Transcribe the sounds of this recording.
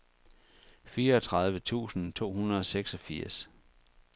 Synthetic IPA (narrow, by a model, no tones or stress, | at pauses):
fiːɐɒt͡sʰʁɑ̈ð̞ˠʋət͡sʰṵːsn̩t͡sʰo̝̰ːɦunɐð̞ˠɒ̽seɡ̥sɒ̽fiɐ̰s